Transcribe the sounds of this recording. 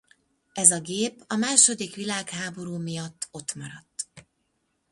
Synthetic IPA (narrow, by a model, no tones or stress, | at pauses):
ɛzɒɡeːpɒmaːʃo̞d̪ikʋilaːkhaːbo̞ɾuːmijɒt̪ːo̞t̪mɒɾɒt̪ː